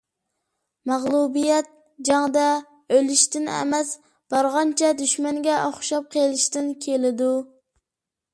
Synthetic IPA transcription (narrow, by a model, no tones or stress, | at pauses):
mɑʁlˠubijɛt̪̚ | d͡ʒɑŋd̪ɛ | ølɪʃt̪ɪnɛ̰mɛs | b̥ɑɾʁɑnt͡ʃʰɛd̪yʃmɛŋɡʲɛʔoχʃɑp̚qʰelˠɪʃt̪ɪnkʲʰelɪd̪u